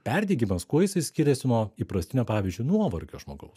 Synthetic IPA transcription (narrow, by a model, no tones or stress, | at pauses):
pʲæɾʲd̪ʲiːɡʲimɐskuɔjɪsɐɪsʲkʲɪɾʲɛsʲɪnɔːiːpɾɐsʲt̪ʲɪnʲoːpɑːʋʲizʲd͡ʒʲʊnuɔʋɐɾʲkʲoːʒmoːɡɐʊs